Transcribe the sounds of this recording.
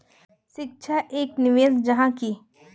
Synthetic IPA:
ʃɪk̚ʃʰaʔeːknɪʋeːsd͡ʒɐɦãki

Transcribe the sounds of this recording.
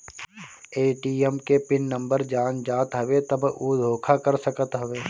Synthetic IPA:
eːʈiːɛmkepɪnːə̃mbəɾd͡ʒaːnd͡ʒaːt̪ɦɐʋet̪ɐbʱud̪ʱoːkʰakɐɾsəkət̪ɦɐʋeː

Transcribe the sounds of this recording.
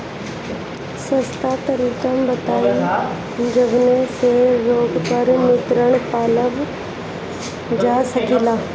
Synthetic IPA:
səst̪at̪əɾiːkəmbɐt̪aːi | d͡ʒəbneseɾoːɡpəɾmɪt̪ɾəɽ̃paːləʋ | d͡ʒaːsɐkiːlaː

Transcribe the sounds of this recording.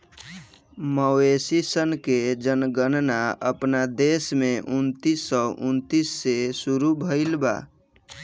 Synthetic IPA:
məesisənked͡ʒənɡənnaə̰pnad̪esmeʔunt̪isːəʔunt̪isːesuɾubʱəɪlba̰

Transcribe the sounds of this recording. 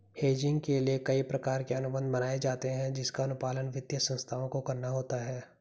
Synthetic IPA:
heːd͡ʒɪ̃ŋɡkeliekɐipɾɐkaːɾkeɐnʊbə̃nd̪mɐnaːed͡ʒaːt̪eɦɛ̃d͡ʒɪskaɐnʊpaːlənʋɪd̪jəsə̃nst̪ʰaːõkokɐɾnaɦoːt̪aɦɛː

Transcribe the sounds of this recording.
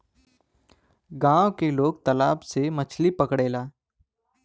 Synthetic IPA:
ɡãːwkeloːɡ̚t̪ɐlaːbsemət͡ʃʰlipəkɽeːlaː

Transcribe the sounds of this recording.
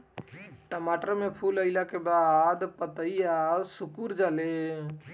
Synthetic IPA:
ʈəmaʈəɾmepʰuləɪlakebad̪pət̪əijasukuɾd͡ʒale

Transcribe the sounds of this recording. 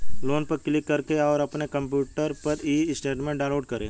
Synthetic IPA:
loːnpɐɾklɪkːɐɾkeɔːɾɐpnekɐ̃mpjuːʈəɾpɐɾiːɪsʈeːʈmẽɖãːloːɖ̚kɐɾḛ̃ː

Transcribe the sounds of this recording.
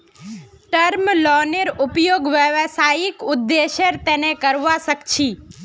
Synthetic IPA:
ʈəɾmlɔneɾʊpjoɡʋjəʋsajikʊd̪ːeʃeɾt̪enekəɾʋasəkt͡ʃʰi

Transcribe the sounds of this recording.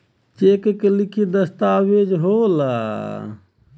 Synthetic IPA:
t͡ʃeːkekelikʰid̪ɐst̪aːweːd͡ʒɦoːla̰ː

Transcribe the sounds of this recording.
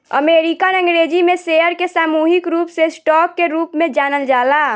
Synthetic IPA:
ə̰meːɾikanə̃ŋɡɾed͡ʒimẽseəɾkesaːmuːɦɪkɾuːpsesʈɔːkːeɾuːpmẽd͡ʒaːnəld͡ʒaːla

